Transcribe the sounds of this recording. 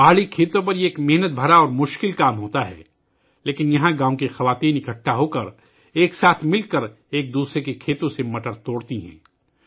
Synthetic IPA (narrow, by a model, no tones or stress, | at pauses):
baːɭikʰeːt̪õp̬ɐɾeːkmɪɦnət̪̚bʱɐɾaɔːɾmʊʃkɪlkaːmɦoːt̪aɦɛ̰ː | leːkɪnjɐɦãɡãːõkexɐʋaːt̪iːnɪkəʈʰːaɦoːkəɾ | eːksaːt̪ʰmɪlkəɾ | eːk̚d̪uːsɾekekʰeːt̪õsemɐʈəɾt̪oːɽt̪iɦɛ̰̃ː